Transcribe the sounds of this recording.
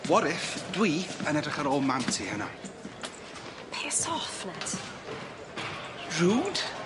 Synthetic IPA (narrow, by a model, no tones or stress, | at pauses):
wɔɾɪfd̥wiːənɛdrɪχəɾoːmamtʰihəna̰ | pʰeːsɔfnat | ruːd̥